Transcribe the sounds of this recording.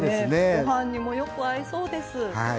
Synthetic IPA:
d̪eesneɡoɦãɲ̟ːimo̞jo̞kɯ̟aiso̞ːd̪e̞sɨha

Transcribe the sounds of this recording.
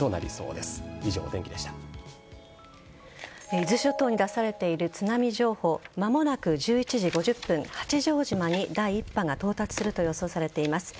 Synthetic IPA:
o̞na̰ɾʲḭso̞̰ːd̪e̞sɨ̥iʑo̞̰ːd̪ẽ̞ŋkʲid̪e̞ɕi̥t̪a | eizɨɕo̞t̪o̞ːɲ̟id̪asaɾe̞t̪e̞iɾɯ̟t͡sɨnamʲiʑo̞ːho̞ːmamo̞nakɯ̟ʑɨːit͡ɕiʑiɡo̞ʑɨpːɯ̟̃ŋhḁt͡ɕiʑo̞ːʑimaɲ̟id̪aiːpːaŋɡat̪o̞ːt̪at͡sɨ̥sɨɾɯ̟t̪o̞jo̞so̞ːsaɾe̞t̪e̞imasɨ̥

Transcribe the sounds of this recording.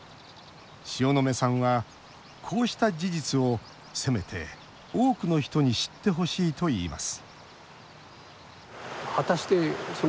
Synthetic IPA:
ɕio̞no̞me̞sãɰ̃βa | kʰo̞ːɕi̥t̪ad͡ʑiʑit͡sɨo̞ | se̞me̞t̪ʰe̞̰ | oːkɯ̟no̞çi̥t̪oɲ̟iɕi̥t̪ːe̞ɦo̞ɕiːt̪o̞iːma̰sɨ̥ | hat̪aɕi̥t̪eso

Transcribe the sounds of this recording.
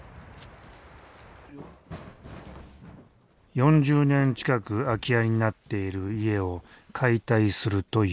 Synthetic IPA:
jõ̞ɲ̟d͡ʑɨːnẽ̞ɲt͡ɕi̥kakɯ̟akʲiaɾʲiɲinat̪ːe̞iɾɯ̟ie̞o̞kʰait̪aisɨɾɯ̟t̪o̞

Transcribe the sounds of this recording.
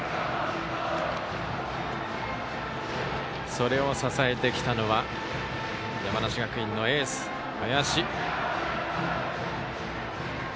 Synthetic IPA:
so̞ɾe̞o̞sasae̞t̪e̞kʲi̥t̪ano̞βa | jamanaɕiɡakɯ̟ĩnːo̞e̞ːsɨ̥ | ajaɕi

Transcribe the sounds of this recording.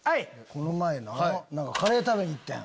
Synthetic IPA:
aieko̞nomaenanãŋkakaɾe̞ːt̪abeɲ̟iit̪ːḛ̃

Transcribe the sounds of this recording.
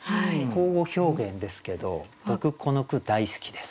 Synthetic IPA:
hakʰo̞ːɡo̞ço̞ːɡẽ̞nd̪e̞sɨ̥ke̞d̪o̞b̥o̞kɯ̟kʰo̞no̞kɯ̟d̪aisɨ̥kʲi̥d̪e̞sɨ̥

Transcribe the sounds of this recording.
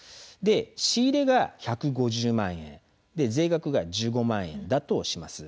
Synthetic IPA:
d̪e̞ɕiːɾe̞ɡaçakɯ̟ɡo̞ʑɨːmãɰ̃ẽ̞̰n | d̪e̞ze̞ːɡakɯ̟ɡaʑɨːɡo̞mãɰ̃ẽ̞̰nd̪at̪o̞ɕimasɨ̥

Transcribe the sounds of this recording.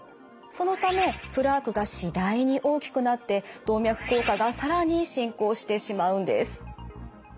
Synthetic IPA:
so̞no̞t̪ame̞pɯ̟ɾaːkɯ̟ɡaɕid̪aiɲ̟iʔo̞ːkʲi̥kɯ̟nat̪ːe̞d̪̥o̞ːmʲjakɯ̟̥ko̞ːkaɡasaɾaɲ̟iɕĩŋko̞ːɕi̥t̪e̞ɕimaɯ̟̃nd̪e̞̰sɨ̥

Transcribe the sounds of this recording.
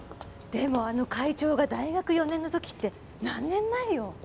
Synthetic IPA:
d̪̥e̞mo̞ano̞kait͡ɕo̞ːɡad̪aiɡakɯ̟jo̞nenːo̞t̪o̞kʲi̥t̪ːe̞ | nãnːẽ̞nːaijo̞

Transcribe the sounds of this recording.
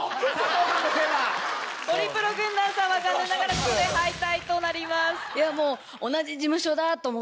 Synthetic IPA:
keɾat̪oɾʲipɯ̟ɾo̞ɡɯ̟̃nd̪ãɰ̃sãɰ̃βaɡanːɯnaɡaɾakoeɦait̪ait̪o̞naɾʲimasɨ̥jamo̞ː | onad͡ʑid͡ʑimɯ̟ɕo̞d̪at̪omo

